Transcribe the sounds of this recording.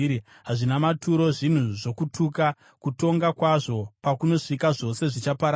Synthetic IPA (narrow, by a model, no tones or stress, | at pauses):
ɦaʐinamatuɾo̞ʐin̤uʐo̞kutʰuka | kuto̞ŋɡakwaʐo̞pakuno̞ʂikaʐo̞se̞ʐit͡ʃapaɾ